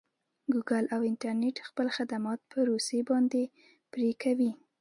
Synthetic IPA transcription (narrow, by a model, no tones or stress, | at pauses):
ɡuɡalawɪnʈaɾneʈxpəlxad̪amɑt̪̚pʰəɾosebɑnd̪e | pɾekʰawi